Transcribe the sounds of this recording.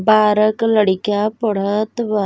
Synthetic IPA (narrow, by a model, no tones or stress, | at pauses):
baːɾəkləɽikapəɽ̤ət̪ʋa